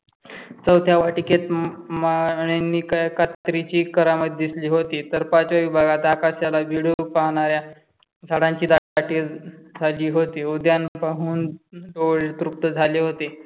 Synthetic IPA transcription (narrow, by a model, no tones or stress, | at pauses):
t͡səwt̪ʰjaʋaʈiket̪maɳ̃enːiːkajkat̪ɾit͡ɕiːkəɾamət̪̚d̪isliːɦot̪it̪əɾpat͡sʋaʋibʱaɡat̪akasjalaʋiɽopaɦɳ̃aɾja | d͡zʱaɽãɲt͡ɕiːd̪aaʈid͡zʱaliːɦot̪iud̪janpaɦuːnd̪oɭt̪ɾup̚t̪əd͡zʱaleɦot̪e